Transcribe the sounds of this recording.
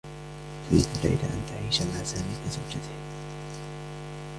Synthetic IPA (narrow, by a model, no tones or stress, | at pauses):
fiːt̪aɾa̰jd̪a̰ʔa̰nt̪ʰaʕiːʃalaːsaːmiːfizawd͡ʒat̪ɪh